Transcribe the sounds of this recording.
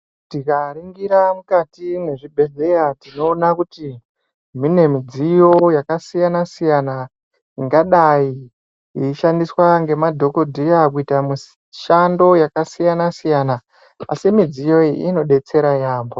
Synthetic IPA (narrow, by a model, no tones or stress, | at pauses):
tikaɾiŋɡiɾamukatime̞ʐibʱe̞ɮejatino̞ːnakuti | mine̞mid͡zijo̞jakasijanasijana | iŋɡaɗaji | iiʃandiswaŋɡe̞madʱo̞ko̞dʱijakuitamu | ʃando̞jakasijanasijana | a̰simid͡zijo̞iʔino̞ɗe̞t͡se̞ɾajaːmbo̞